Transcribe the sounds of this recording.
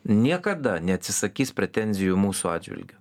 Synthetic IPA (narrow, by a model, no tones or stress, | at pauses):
nʲiɛkɐd̪ɐnʲɛɐt̪ʲsʲɪsɐkʲiːsʲpʲɾʲɛt̪ʲɛnʲzʲɪjumuːsuɑ̰ːd̪ʲd͡ʒʲʋʲɪ̰lʲɡʲʊ